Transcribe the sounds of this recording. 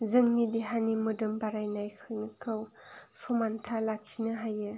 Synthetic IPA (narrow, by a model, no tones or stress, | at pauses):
zɯŋnidiɦanimɯdɯmbaɾajnajkʰɯjnɯkʰɯw | pʰumantʰalak̚kʰinɯɦajɯ